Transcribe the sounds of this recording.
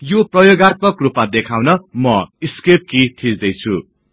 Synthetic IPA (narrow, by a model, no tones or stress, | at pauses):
joprʌjoɡart̪̚pʌkrupmad̪ekʰawnʌmʌiskep̚kit̪ʰid͡zd̪ʌjt͡sʰṵ